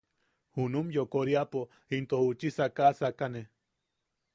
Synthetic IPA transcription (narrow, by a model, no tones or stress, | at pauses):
hunumjokoɾiapo | hint̪ohut͡ʃisakasakane